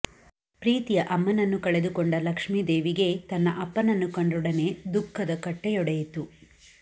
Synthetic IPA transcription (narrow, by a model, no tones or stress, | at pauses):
pɾiːt̪ijɐʔɐmːɐnɐnːukɐɭe̞d̪ukoɳɖɐlɐkʂmiːd̪eːʋiɡe̞t̪ɐnːɐʔɐpːɐnɐnːukɐɳɖuɽɐne̞d̪ukʰːɐd̪ɐkɐʈːejɔɽɐjit̪u